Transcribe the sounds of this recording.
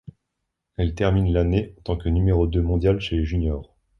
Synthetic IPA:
ɛlt̪ɛʁminlaneɑ̃t̪ɑ̃kənymeʁod̪ømɔ̃d̪jalʃeleʒynjɔːʁ

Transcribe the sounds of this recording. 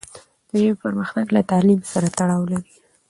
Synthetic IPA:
d̪̥əʒemepəɾməxnaɡlat̪ɑlimsaɾat̪aɽɑwlaɾi

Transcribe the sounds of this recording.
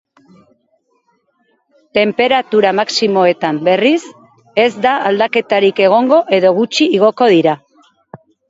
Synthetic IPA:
t̪e̞mpe̞ɾat̪uɾamaksimo̞e̞t̪ambe̞ris | e̞zd̪aald̪ake̞t̪aɾike̞ɣ̞o̞ŋɡo̞ʔe̞ðo̞ɣut͡ʃiːɣ̞o̞ko̞ðiɾa

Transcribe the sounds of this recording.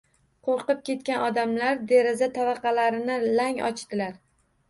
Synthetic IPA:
qʰoɾqɨp̚kʲe̞t̪̚kʲanɒd̪amlaɾd̪e̞ɾɪzat̪ʰavɑqʰɑlaɾɪnɪlaŋɒ̰t͡ʃt̪ɪlaɾ

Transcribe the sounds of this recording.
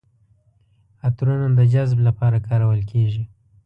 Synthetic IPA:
at̪ɾunad̪əd͡ʒazblapɑɾakʰɑɾawəlkʰeʒi

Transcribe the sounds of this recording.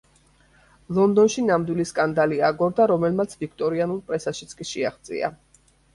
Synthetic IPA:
lˠɔnd̪ɔnʃinamd̪wiliskʼand̪aliaɡɔɾd̪aɾɔmɛlmat̪sʰvikʰt̪ʼɔɾianulˠpʼɾɛsaʃit̪sʰkʼiʃɛaχd̪zʼḭa̰

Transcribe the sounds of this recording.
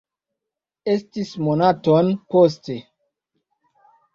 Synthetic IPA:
estismonatonpos̬te

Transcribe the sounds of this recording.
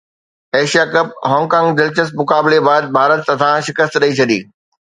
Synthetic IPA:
eːʃijakɐp̚ɦɔ̃ːŋkãːŋɡd͡ʑɪlt͡ɕəsmʊkaːbɪlebaːd̪̚bʱaːɾət̪ːɐ̃t̪ʰãʃɪkəst̪ɗɐit͡ɕʰɐd̪iː

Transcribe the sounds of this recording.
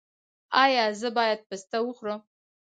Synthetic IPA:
ajaːzɨbaːjat̚pɨstʰawʊχʷra

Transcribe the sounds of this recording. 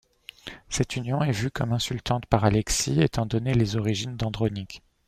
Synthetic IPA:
sɛt̪ynjɔ̃ɛvykɔmɛ̃sylt̪ɑ̃t̪paʁalɛksiet̪ɑ̃d̪ɔnelezɔʁiʒind̪ɑ̃d̪ʁɔnik

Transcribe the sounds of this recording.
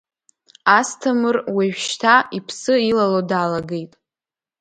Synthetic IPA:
astʰɨmɨrweʒᶣʃtʰaipʰsɨilalodaːlaɡe̞jtʼ

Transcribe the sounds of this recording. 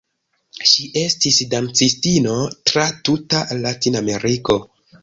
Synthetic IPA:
ʃiʔe̞stisdant͡sistino̞tɾatutalatiname̞ɾiko̞

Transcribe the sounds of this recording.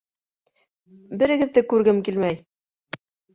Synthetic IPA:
bɘ̆ɾɘ̆ɡɘ̆ðːɘkʉɾɡɘmkilmæj

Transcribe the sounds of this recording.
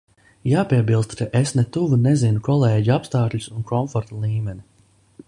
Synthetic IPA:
jaːpiɛbilˠst̪kaʔesnɛt̪uvunɛzinukɔlˠeːɟiapst̪aːkʎʲu̥sunkɔmfɔɾt̪alˠiːmɛnʲi

